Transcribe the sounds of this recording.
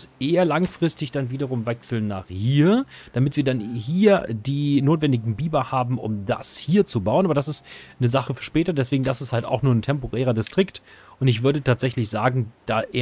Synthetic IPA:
sʔeːɐlaŋfʁ̥ɪstɪçd̥anviːdɐʁ̞ʊmvɛksl̩nːa̰ːχhiːɐd̥amɪtv̥iːɐdanhiːɐdiːnoːtv̥ɛndɪɡŋ̩biːbɐhaːbm̩ʔʊ̰mda̰shiːɐt͡subaʊənʔaːbɐdas̬ɪstnəzaχəfɛɐʃpɛːtɐtd̥ɛs̬v̥eːɡŋ̩dasɪsthalta̰ʊxnuːɐn̩tʰɛmpoʁɛːʁɐdɪstʁ̥ɪktʔʊntɪç̬v̥ʏɐɾətʰaːtz̥ɛçlɪçz̥aːɡŋ̩d̥aːʔeː

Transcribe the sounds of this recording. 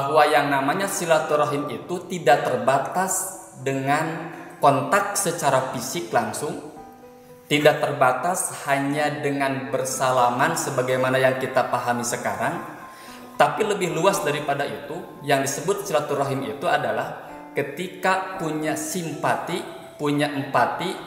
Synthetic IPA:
baɦwajaŋnamaɲasilat̪uɾaɦɪmit̪ut̪idaʔ̚t̪ərbat̪as | dəŋankɔnt̪ak̚sət͡ʃaɾafisɪklaŋsʊŋ | t̪idaʔ̚t̪ərbat̪ashaɲadəŋanbərsalamansəbaɡajmanajaŋkit̪apaɦamisəkaɾaŋ | t̪apiləbɪhluasdaɾipadait̪u | jaŋdisəbʊt̪̚silat̪uraɦimḭt̪uadalah | kət̪ikapuɲasimpat̪i | puɲaʔəmpat̪i

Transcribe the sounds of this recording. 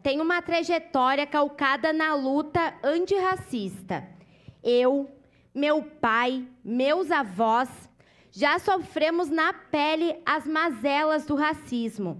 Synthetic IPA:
t̪ẽj̃ũmɐt̪ɾaʒet̪ɔɾiɐkawkad̪ɐnɐlut̪ɐɐ̃t͡ʃɪhasist̪ɐ̰ | ew | mewpajmewzavɔs | ʒasofɾẽmʊznɐpɛlɪɐzmazɛlɐzd̪ʊɦasizmʊ

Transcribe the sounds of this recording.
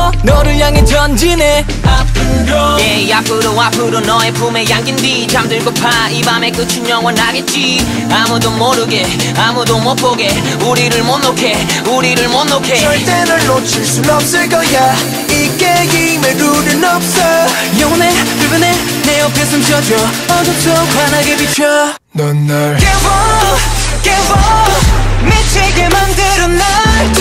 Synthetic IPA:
nʌɾɯjaŋed͡ʑʌnd͡ʑine | appʰɯɾejakɯɾɯwapʰɯɾonʌepumejaŋɡindit͡ɕamdɯɭk͈ɯpʰaibamek͈ɯt͡ɕʰinjʌŋwʌnaɡet̚t͡ɕ͈i | amud̪omoɾɯɡe | amud̪omok̚p͈oɡe | uɾiɾɯɭmonːokʰe | uɾiɾɯɭmonːokʰeʌt̪enɯlot͡ɕʰisulʌpsɯɡʌja | ik͈eɡimeɾuɾɯnʌp̚sʌ | jʌŋone | ɯbɯne | neʌpʰjesʌnd͡ʑiʌd͡ʑʌ | ʌd͡ʑʌt͡ɕʰʌkanaɡebipʰʌ | nʌnː | kebʌ | kebʌ | met͡ɕʰeɡemandeɾɯnːa

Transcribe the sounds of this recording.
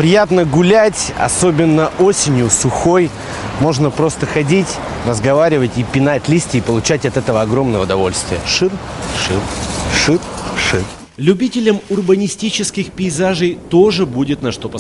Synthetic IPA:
pɾʲɪjat̪nəɡʊlʲætʲɐ̰so̞bʲɪnːəʔo̞sʲɪnʲjʊsʊxo̞j | mo̞ʐnəpɾo̞st̪əxɐdʲitʲ | rəzɡɐvaɾʲɪvətʲipʲɪnatʲlʲisʲtʲɪːpəlˠʊt͡ɕætʲɐt̪ɛt̪əvəɐɡɾo̞mnəvəʊd̪ɐvo̞lʲst̪vʲɪjəʂɨrʂɨrʂɨrʂɨr | lʲʉbʲitʲɪlʲəmʊrbənʲɪsʲtʲit͡ɕɪskʲɪxpʲɪɪzaʐɨjt̪o̞ʐɨbudʲɪt̪nɐʂt̪o̞pə

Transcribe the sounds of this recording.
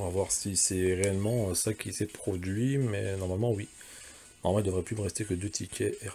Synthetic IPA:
vavwaʁsisɛʁeɛlmɑ̃øsakʲʰisɛpχɔd̪ɥimɛ̰nɔʁmalmɑ̃wi | nɔʁmamɑ̃ild̪əvʁɛplyməʁɛst̪ekəd̪øt̪ʰikʲʰɛɛʁ

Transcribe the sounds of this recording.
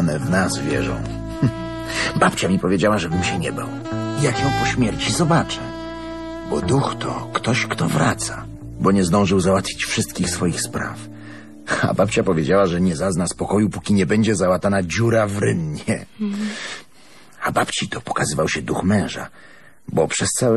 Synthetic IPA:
ɔnɛvnasvʲjɛ̰ʐɔ̰̃w̃ | bapt͡ɕamʲipɔvʲjed͡ʑawaʐɛbɘmɕɛɲɛba̰w | ijakjɔ̃w̃pɔɕmʲjɛɾt͡ɕizɔbat͡ʂa | bɔd̪uxt̪ɔ̰kt̪ɔɕkt̪ɔvɾa̰t̪sa | bɔɲɛzd̪ɔ̃w̃ʐɘwzawat̪fʲit͡ɕfʂɨst̪̚kʲixsfɔjixspɾa̰f | a̰bapt͡ɕapɔvʲjed͡ʑawaʐɛɲɛzaznaspɔkɔjupukʲiɲɛbɛɲd͡ʑɛzawat̪anad͡ʑuɾavɾɘnɲɛ | abapt͡ɕit̪ɔpɔ̥kazɘvawɕɛd̪uxmɛ̃w̃ʐa̰ | bɔpʂɛst̪saw

